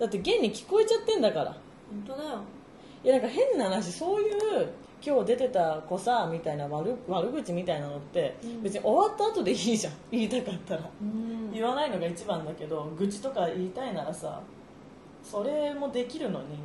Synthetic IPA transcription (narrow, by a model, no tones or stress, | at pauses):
d̪at̪ːe̞ɡẽ̞ɲ̟ːikʲi̥ko̞e̞t͡ɕat̪ːẽ̞nd̪akaɾa̰ | hõnt̪od̪ajo | janãŋkaɦẽ̞nːahanaɕ̬iso̞ːjɯ̟ː | kʲo̞ːd̪e̞t̪e̞t̪ako̞samʲit̪ainaβaɾɯ̟βaɾɯ̟ɡɯ̟t͡ɕimʲit̪ainano̞t̪ːe̞be̞t͡sɨɲiʔo̞βat̪ːaːt̪o̞d̪e̞iːʑãiːt̪akat̪ːaɾaiβanaino̞ɡait͡ɕibãnd̪ake̞d̪o̞ɡɯ̟t͡ɕi̥t̪o̞kaiːt̪ainaɾasa̰ | so̞ɾe̞mo̞d̪e̞kʲiɾɯ̟no̞̰ɲ̟i